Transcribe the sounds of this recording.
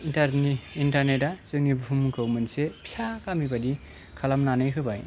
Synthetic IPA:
intaɾnintaɾnetazɯŋnibʱumkʰɯwmɯnsepʰi̥sakamibadi | kʰalamnanɯjkʰɯbaj

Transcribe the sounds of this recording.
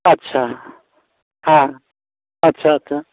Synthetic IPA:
ətːɕʰa | hã | ətːʃʰaətːʃʰa

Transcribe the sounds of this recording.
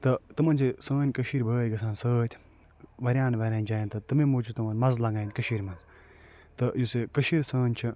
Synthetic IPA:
t̪ɐt̪ɨmɐnt͡ʃʰisəːnʲkəʃiːɾʲbʱəːjʲɡɐsaːnsəːt̪ʲʰ | ʋɐɾʲjaːnʋɐɾʲaːnʲd͡ʒaːjnt̪ɨt̪ɨmemuːt͡ʃʰut̪ɨmɐnmɐnzlɐŋɡaːnʲkɐʃiːɾʲmɐnz | t̪ɨjusekɐʃiːɾʲsəːnʲt͡ʃʰi

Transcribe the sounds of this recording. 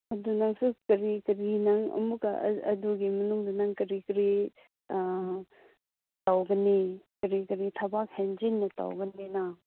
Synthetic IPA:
ɐdunɐŋsukɐɾikɐɾinɐŋɐ̰mukɐʔɐ̰duɡimɐnuŋdɐnɐŋkɐɾikɾi | tawɡɐnikɐɾikɐɾitʰɐbak̚hend͡ʒinnɐta̰wɡɐnena

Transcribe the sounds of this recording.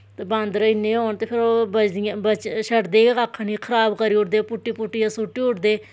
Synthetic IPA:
t̪ebãːnd̪ɾəɪnːẽːɦoːɳt̪eːpʰɪɾoːbət͡ʃd̪ijãbət͡ʃʃəʈd̪eːekaːkʰːniːkʰəɾaːbkəɾiːʊʈd̪eːpʊʈːiːpʊʈːijãːsʊʈːiːʊʈd̪eː

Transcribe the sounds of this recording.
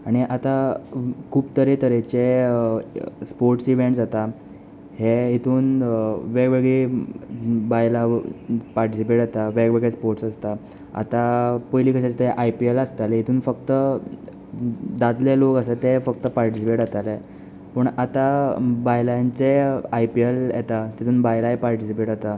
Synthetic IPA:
aɽ̃iʔat̪a | kʰuːbt̪əɾet̪əɾet͡ɕe | spoɾʈsiʋeɳʈd͡zat̪a | heɦit̪ʰuːnʋeɡʋeɡɭe | bajlapaɾʈisipeʈat̪aʋeɡʋeɡɭespoɾʈsəst̪a | a̰t̪apəjlikəɕãt͡ɕet̪eeʔajpieləst̪aleɦit̪ʰuːnfəkt̪ə | d̪ad̪lelokəsat̪efəkt̪əpaɾʈisipeʈat̪ale | pəɳat̪abajlajaɲt͡seajpieljḛt̪at̪it̪ʰuːnbajlaɦepaɾʈisipeʈat̪a

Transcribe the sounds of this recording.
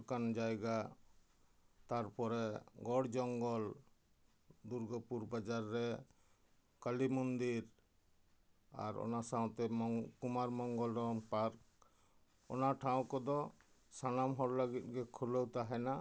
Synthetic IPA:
kand͡ʒajɡa | t̪aɾpɔɾɛɡɔɽd͡ʒɔŋɡɔl | d̪uɾɡɔpuɾbad͡ʒaɾːɛ | kalimɔnd̪iɾ | a̰ɾɔ̰nasãw̃t̪ɛkumaɾmɔŋɡɔlɾɔpaɾk | ɔnaʈʰãw̃kɔd̪ɔ | sañamɦɔɾləɡit̚ɡɛkʰuləwt̪aɦɛna

